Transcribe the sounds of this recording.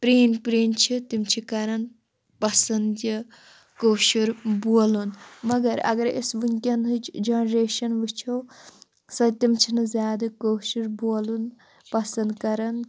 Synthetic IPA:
pɾeːnpɾeːnt͡ʃʰit̪imt͡ʃʰikɐɾɐn | pɐsɐnd̪jɐ | koːʃuɾboːlunmɐɡɐɾɐ̰ɡɐɾḛsʋunʲkʲɐnɦɨt͡ʃd͡ʒɐnɾeːʃɐnʋɨt͡ʃʰɐw | sɐt̪imt͡ʃʰinɨzʲaːd̪ɐkoːʃuɾboːlun | pɐsɐnd̪kɐɾɐn

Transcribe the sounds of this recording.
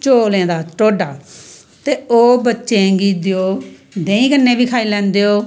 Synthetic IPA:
t͡ʃoːlẽːd̪aːʈoːɖaː | t̪eːoːbətːʃẽːɡiːd̪eːoː | d̪ẽːĩːkənːeːbiːkʰaːiːlɛ̃ːnd̪eːoː

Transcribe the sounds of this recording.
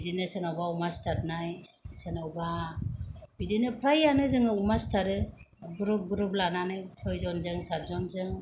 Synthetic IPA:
idinɯsenawbaumastatnajsenawba | bidinɯpʰɾajanɯzɯŋɯumastʰaɾɯɡuɾɯɡuɾɯblananɯjpʰɯjzɔnzɯŋsap̚zɔnzɯŋ

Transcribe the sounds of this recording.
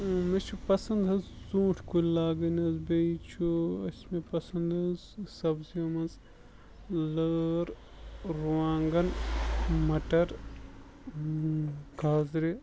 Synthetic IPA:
met͡ʃʰupɐsɐnd̪ɦɐzzũːʈʰkulaːɡɐnɐzbeit͡ʃʰuɐsmepɐsɐnd̪ɐzsɐbziɐmɐnz | ləːɾ | ɾuaːŋɡɐn | mɐʈɐɾ | kaːzɾe

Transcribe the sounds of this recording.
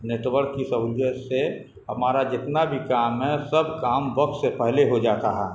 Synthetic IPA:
neːʈwəɾkːisəɦʊd͡ʒəse | ɦɐmaːɾad͡ʒɪt̪nabʱikaːmɦɛsəbʱkaːmbəkssepɛɦleɦod͡ʒaːt̪aɦɛː

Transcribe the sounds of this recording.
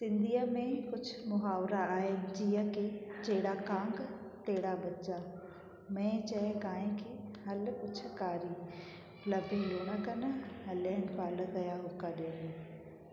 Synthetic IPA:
sɪ̃nd̪iːəmẽkʊd͡ʑʱʰʊmʊɦaːʋɾaaːɦɪnɪ̆d͡ʑiːə̃ket͡ɕɐɦɪɽakãːŋɡ | t̪eɦɪɽabɐt͡ɕa | mɛ̃ːt͡ɕɐkaːɦẽkʰeɦɐlkʊt͡ɕʰkaːɾiː | lɐbʱeloːɽ̃akɐnɦɐlɛnpaːlət̪ɐjaɦʊkaɗeːn

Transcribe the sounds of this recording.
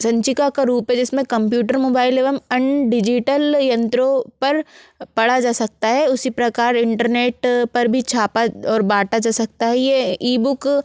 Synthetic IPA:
sɐ̃ɲt͡ʃɪkakaɾuːpɦɛd͡ʒɪsmẽkɐ̃mpjuːʈəɾmoːbaːɪleːʋəmɐ̃ɳɖɪd͡ʒɪʈəljɐ̃nt̪ɾõpɐɾpɐɽad͡ʒaːsɐk̚t̪aɦɛʊsipɾɐkaːɾɪ̃ɳʈəɾneːʈpɐɾbʱit͡ʃʰaːpaɔːɾbaːʈad͡ʒaːsɐk̚t̪aɦɛjeiːbʊk

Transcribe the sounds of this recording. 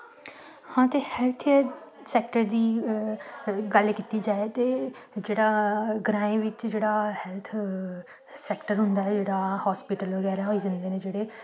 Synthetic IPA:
hãːt̪eːhɛːlt̪ʰɛːsɛːk̚ʈəɾd̪iː | ɡəlkiːt̪iːd͡ʒaːet̪eːd͡ʒeːɽaːɡɾãːẽːʋɪt͡ʃd͡ʒeːɽaːhɛːlt̪ʰ | sɛːkʈəɾɦʊ̃nd̪aːɛːd͡ʒeːɽaːhɔːspɪʈəlʋəɡɛːɾaːɦoːiːd͡ʒãnd̪eːnẽːd͡ʒeːɽeː

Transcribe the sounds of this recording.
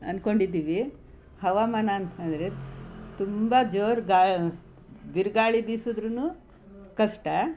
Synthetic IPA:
ɐ̰nkoɳɖid̪ːiːʋi | hɐʋaːmaːnanɐnd̪ɐɾet̪umbɐd͡ʒoːɾɡaː | biɾɡaːɭibiːsud̪ɾunuː | kɐʂʈɐ

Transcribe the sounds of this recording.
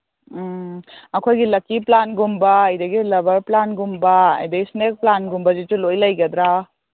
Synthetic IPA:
ɐkʰojɡilɐkːiplanɡumbɐɐjd̪ɐɡilɐbɐɾplanɡumbɐɐ̰jdɐɡisnek̚planɡumbɐzitulojlɐjɡɐd̪ɾa

